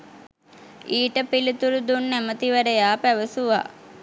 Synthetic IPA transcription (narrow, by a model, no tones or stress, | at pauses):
iːʈəpilit̪uɾud̪unːæmət̪iʋæɖəjaːpæʋəsuʋa̰